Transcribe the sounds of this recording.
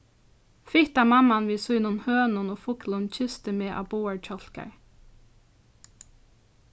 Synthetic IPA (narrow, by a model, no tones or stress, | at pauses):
fɪt̪ɑːmɑmɑnʋiːsunuːnhøːnʊnoːfʊklʊnc͡çʏst̪əmeːʔɑ̰ːboːəɹt͡ʃɔlkɑ̰ɹ